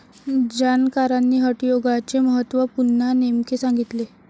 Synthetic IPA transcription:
d͡ʑankaɾanːiːɦəʈjoɡat͡seməɦət̪ːʋəpuɾnanemkesaŋɡit̪le

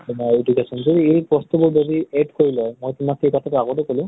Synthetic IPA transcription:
mɔedukesɔnzodiejpɹɔstubʊɹbodiɛɖkoɹilɔjmojtʊmakxejkɔtʰatʊaɡotɛkolʊ̃

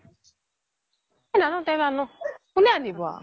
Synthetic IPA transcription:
ɛnanɔ̃tɛanɔ̃ | uneanibɔa̰

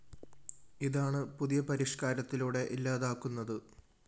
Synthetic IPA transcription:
iðaːɳɨpuðijɐpɐɾiʂkaːɾɐt̪ːiluːɽe̞ʔilːaːðaːkːunːɐðɨ

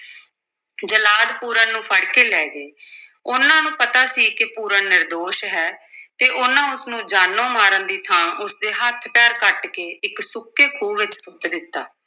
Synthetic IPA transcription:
d͡ʒəlaːd̪puːɾãːnũːpʰəɽkeːlɛːɡeː | ʊnãːnũːpət̪aːsiːkɪpuːɾaːnɪɾd̪oːʃɦɛːt̪eːʔʊnãːʊsnũːd͡ʒaːnːõːmaːɾənd̪iːt̪ʰãːʔʊsd̪eːɦət̪ʰːpjaːɾkəʈkeːʔɪksʊkːeːkʰuːʋɪt͡ʃsʊkd̪ɪt̪ːa̰ː

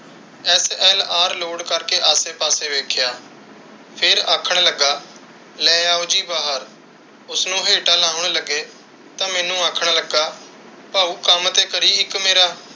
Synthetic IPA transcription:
ɛːsɛːlaːɾloːɽkəɾkeːʔaːseːpaːseːʋeːkʰjaː | pʰɪɾaːkʰəɽ̃ləɡːaː | lɛːaːod͡ʒiːbaːɦəɾ | ʊsnũːɦeːʈaːlãːʊɳ̃ləɡeː | t̪ãːmɛːnũːaːkʰɽ̃ləɡaː | paːuːkəmt̪eːkəɾiːɪkmeːɾaː

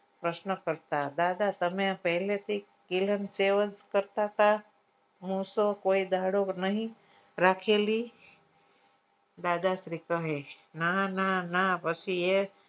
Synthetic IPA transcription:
pɾəʃnəkəɾt̪ad̪aːd̪at̪əmẽpəɦlet̪ʰi | kilənseʋəd͡ʒkəɾt̪at̪a | musokoːid̪ʱaɽonəɦĩ | ɾakʰeli | d̪aːd̪asɾikəɦe | nananapət͡ʃʰie

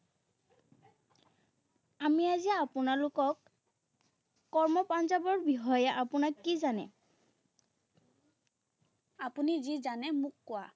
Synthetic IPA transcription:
amiaziaːpʊnalʊkɔk | ɔɹmɔpanzabɔɹbiɦɔjɛʔapʊnakːizanɛ̰ | apunizizanɛmʊkːʊwa

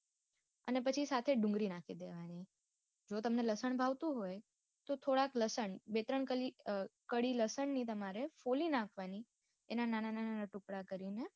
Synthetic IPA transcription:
ə̰nepət͡ʃʰisat̪ʰeɖũŋɡɾinakʰid̪eʋani | d͡ʒot̪əmneləsəɳbʱaʋt̪ũɦoj | t̪ot̪ʰoɽakləsəɳbet̪ɾəɳkəlikəɽiləsəɳnit̪̬əmaɾefolinãkʰʋani | enanananananaʈukɽakəɾine

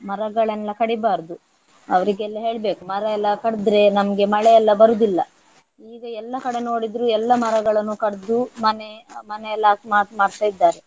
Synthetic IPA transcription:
mɐɾɐɡɐɭɛlːɐkɐɽibaːɾd̪u | ɐʋɐɾiɡeɛlːɐɦe̞ːɭbe̞ːkumɐɾɐɛlːɐkɐɽd̪ɾe̞nɐmɐɡe̞mɐɭɛɛlːɐbɐɾud̪ilːɐ | iːɡɐɛlːɐkɐɽeno̞ːɽid̪ɾuːɛlːɐmɐɾɐɡɐɭɐnːukɐɽd̪umɐnemɐnelaːsmaːɾsmaːɽt̪aːjid̪ːaːɾe̞

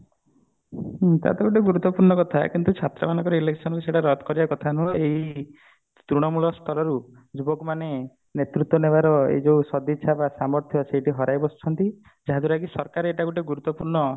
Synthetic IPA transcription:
t̪a̰t̪ɔɡuʈ̬eɡuɾut̪ːɔpuɾɳɔkɔt̪ʰakint̪ut͡ʃʰat̪ɾɔ̰manɔŋkɔɾɔileksʰɔnɔkuseʈaɾɔd̪kɔɾiakɔt̪ʰanuei | t̪ɾuɽ̃ɔmulɔst̪ʰɔɾɔɾu | d͡ʒubɔkmane | net̪ɾut̪wɔnebaɾɔḛd͡ʒeusɔd̪it͡ʃʰabasamɔɾt̪ʰjɔseʈiɦɔɾajbɔst͡ʃʰɔnt̪i | d͡ʒaɦad̪uɾaɡisɔɾkaɾeeʈakuʈeɡuɾut̪ːɔpuɾɳɔ

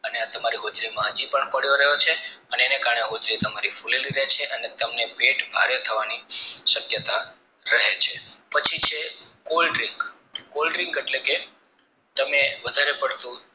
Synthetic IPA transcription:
əneat̪əmaɾiɦod͡ʒɾimãɦəd͡ʒipəɳpəɽjoɾəɦot͡ʃʰeəneːnekaɾəɳeɦod͡ʒɾit̪əmaɾifuleliɾet͡ʃʰeʔənet̪əmnepeʈbʱa̰ɾet̪ʰəʋaniʃəkjət̪a | ɾəɦet͡ʃʰepət͡ʃʰit͡ʃʰekolɖɾiŋɡ | kolɖɾɪŋɡeʈleke | t̪əmeʋəd̪ʱaɾepəɽt̪ũ

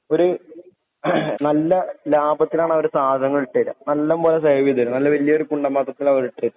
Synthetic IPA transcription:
o̞ɾu | nɐlːɐlaːbɐt̪ːilaːɳɐʋɐɾusaːd̪ʱɐŋːɐɭiʈːɐjilːɐ̰nɐlːɐmboːlesɐːʋid̪ʱɐlunɐlːɐʋɐlːijɐoɾukuɳɖɐmɐːt̪ːɐt̪ːilɐʋɐɾiʈːɐjlːɐ

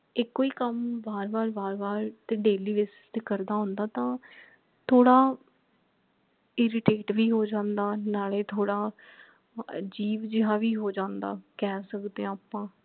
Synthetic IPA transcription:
ɪkːoːiːkəmbaːɾbaːɾbaːɾbaːɾt̪ẽːɖeːliːʋɪs | t̪ekəɾd̪aːɦʊ̃nd̪aːt̪ãː | t̪ʰoːɽaː | ɪɾɪʈeːʈʋiːɦoːd͡ʒãːnd̪aːnaːɭeːt̪ʰoːɽaː | d͡ʒiːʋd͡ʒɪɦãːʋiːɦoːd͡ʒãːnd̪a̰ːkɛːsəkd̪ẽaːpãː

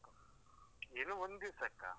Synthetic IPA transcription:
enuʋond̪isɐkːa̰

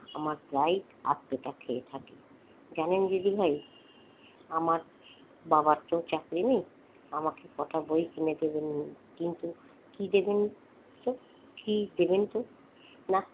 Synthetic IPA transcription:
a̰maɾd̪ɾaj | a̰t̪ːeʈakʰeet̪ʰake | d͡ʑanend͡ʑed̪ibʱaj | amaɾ | babaɾt̪ot͡ɕakɾinej | amakekɔʈʰabojkined̪eben | kint̪u | kid̪eben | t̪o | kid̪ebent̪o | na

